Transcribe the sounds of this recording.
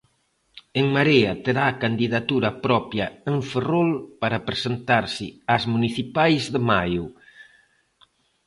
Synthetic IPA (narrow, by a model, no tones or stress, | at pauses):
eŋmaɾeɐt̪eɾaːkand̪iðat̪uɾɐpɾɔpjɐeɱferolpaɾapɾesent̪aɾsɪazmuniθipajzðemajʊ